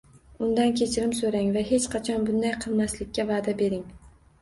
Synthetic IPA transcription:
ʊnd̪ankʲʰe̞t͡ʃʰɪɾɪmsoɾaŋvaɦe̞t͡ʃqʰɑt͡ʃʰɒnbʊnd̪ajqʰɨlˠmaslɪkʲʰːavaːd̪abe̞ɾɪŋ

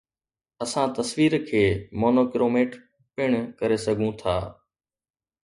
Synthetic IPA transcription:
əsãːt̪əsʋiːɾkʰeːmoːnoːkɪɾoːmeːʈ | pɪɳ̃kəɾeːsəɡʱũt̪ʰaː

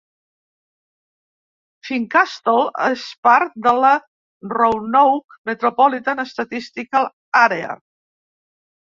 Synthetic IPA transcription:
fiŋkast̪olˠespaɾt̪̚d̪ələ | rownowkmət̪ɾopɔlit̪anəst̪ət̪ist̪ikal | aɾea̰

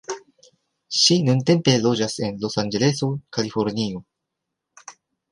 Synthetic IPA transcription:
ʃinunte̞mpe̞lo̞d͡ʒase̞nlo̞sanɡe̞leso̞kalifo̞ɾnio̞

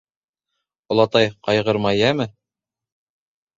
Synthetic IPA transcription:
ŏlˠɑt̪ɑjqɑjʁɤɾmɑjæmɘ

